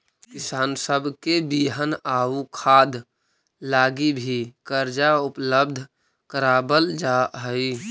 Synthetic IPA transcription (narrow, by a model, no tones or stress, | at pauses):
kisaːnsəbʱkebiɦənaukʰad̪ | laɡibʱikəɾd͡ʒaupləb̚d̪ʱ | kəɾabəld͡ʒaɦəi